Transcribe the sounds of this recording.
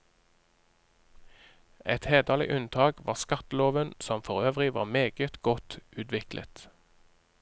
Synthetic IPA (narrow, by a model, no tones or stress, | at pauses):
ʔɛt̪heːd̪əlɪ̰ʔʉnt̪ʰɑːkʋɑ̰ːʁskɑt̪əloːʋənsɔmfɔʁøːʋʁɪʋɑ̰ːʁmeːɡət̪ɡɔt̪ʔʉːt̪ʋɪklʔə̰t̪